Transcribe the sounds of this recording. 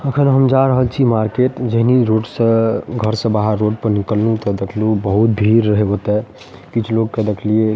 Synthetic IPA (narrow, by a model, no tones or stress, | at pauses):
əkʰənɦəmd͡ʒaɾəɦəlt͡ʃʰimaɾkeʈd͡ʒəɦniɾoʈsə̃ɡʱəɾsə̃baɦəɾːoɖpəɾnikəlːut̪ɔd̪ekʰlubəɦut̪̚bʱiɾːəɦebot̪ɛ | kit͡ʃʰloɡ̚ked̪ekʰlie